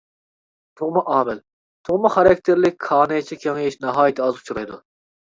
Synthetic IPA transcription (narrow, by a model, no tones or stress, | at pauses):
t̪ʰuʁmɑʔɑːmɪl | t̪ʰʊʁmɑχɑɾɛk̚ʲt̪ʰɪɾlɪk̚ʲʰɑːnɨjt͡ʃʰikʲʰeŋjiʃnɑɦɑːjit̪ʰɨɑzut͡ʃʰuɾɑjd̪u